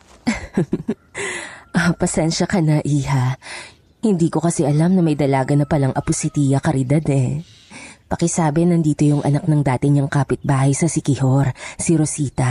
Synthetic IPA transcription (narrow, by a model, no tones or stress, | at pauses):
ʔopɐsɛnʃɐkɐnɐʔiːɦa | hɪnd̪iːko̞kɐsɛʔɐlamnɐmɐjd̪ɐlaːɡɐnɐpɐlɐŋʔɐpʊsɪt̪iːvɐkɐɾɪd̪ad̪ɛ | pɐkɛsaːbɛnɐnd̪iːt̪o̞jʊŋʔɐ̰nak̚nɐŋd̪aːt̪ɪɲɐŋkaːpɪt̪̚baːhɐjsɐsɪkɪhoɾsiɾosiːt̪ɐ